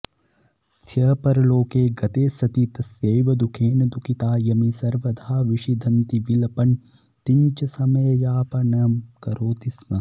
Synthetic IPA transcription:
sʰjɐːpɐɾɐloːkeːɡɐt̪eːsɐt̪it̪ɐseːʋɐd̪ukʰeːnɐd̪ukit̪aːjɐmisɐɾʋɐd̪ʱaːʋiʂid̪ʱɐnt̪iʋilɐpɐn | t̪iɲt͡ʃɐsɐmɐjɐjaːpɐnɐmkɐɾoːt̪ismɐ

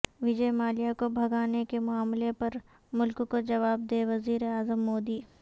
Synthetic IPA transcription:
ʋɪd͡ʒəemaːlijakobʱɐɡaːnekemʊaːmlepɐɾ | mʊlkkod͡ʒɐʋaːb̚d̪eːʋɐziːɾeaːzəmːoːd̪iː

